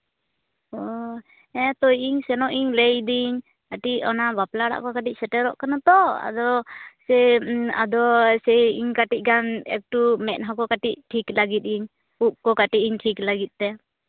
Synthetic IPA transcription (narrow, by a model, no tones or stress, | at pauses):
ɔ | ɛt̪ɔjiŋsɛnɔʔiɲlɛjd̪iɲ | kaʈiʔɔnabaplaɽa̰ʔkɔkaʈiʔ̚sɛʈɛɾɔʔkanat̪ɔa̰d̪ɔsɛa̰d̪ɔsɛiŋkaʈiʔ̚ˀɡanɛ̰k̚ʈumɛnɦakɔkaʈiʔ̚ʈʰiklaɡit̪̚iɲ | uʔ̚kɔkaʈiʔiɲʈʰiklaɡit̪̚ˀt̪ɛ